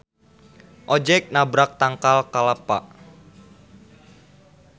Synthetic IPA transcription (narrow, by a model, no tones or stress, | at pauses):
ʔɔd͡ʒɛk̚nabɾak̚t̪aŋkalkalapa̰ʔ